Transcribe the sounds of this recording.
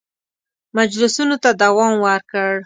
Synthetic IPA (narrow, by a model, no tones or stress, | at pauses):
mad͡ʒlʊsunot̪ad̪awɑmwəɾkəɽ